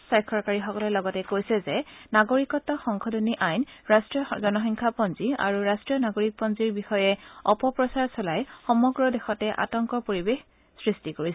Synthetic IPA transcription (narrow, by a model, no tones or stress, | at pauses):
sajkʰɔɹkaɹixɔkɔlɛlɔɡɔtɛkojsɛzɛnaɡoɹikɔtːɔxɔŋkʰɔdɔniʔajnɹastɹijɔzɔnɔxiŋkʰapɔnzia̰ɹuɹastɹijɔnaɡoɹik̚pɔnziɹbixɔjɛɔpɔpɹɔsaɹsɔlajxɔmɔɡɹɔdɛxɔtɛʔa̰tɔŋkɔpoɹibex | sɹistikoɹis